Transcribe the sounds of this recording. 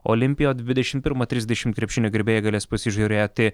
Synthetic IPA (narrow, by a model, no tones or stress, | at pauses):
o̰ːlʲɪmʲpʲɪjoːd̪ʲʋʲɪd̪ʲɛʃʲɪmt̪̚pʲɪɾmɐt̪ʲɾʲɪzd̪ʲɛʃʲɪmt̪kɾʲɛpʲʃʲɪnʲoːɡʲɪɾʲbʲeːjɛɡɐlʲeːspɐsʲɪʒʲuɾʲeːt̪ʲɪ